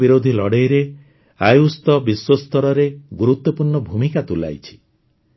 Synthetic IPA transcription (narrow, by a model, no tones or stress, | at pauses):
biɾod̪ʱilɔɽejɾe | ajust̪ɔbiswɔst̪ɔɾɔɾeɡuɾut̪ːɔpuɾɳɔbʱumikat̪ula̰jt͡ʃʰi̥